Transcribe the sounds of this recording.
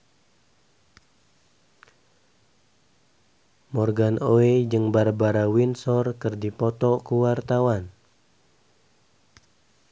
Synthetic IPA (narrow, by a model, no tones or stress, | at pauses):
mɔrɡanoed͡ʒɨŋbaɾabaɾawinsɔrkɨrdipɔt̪ɔkuwart̪awan